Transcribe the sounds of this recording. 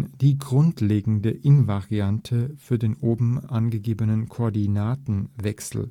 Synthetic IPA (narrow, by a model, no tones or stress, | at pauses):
d̥iːɡʁʊntʰleːɡŋ̩dəʔɪnvaʁiantʰəfyːɐdeːnʔoːbm̩ʔanɡəɡeːbənənkʰoɐdinaːtn̩vɛksl̩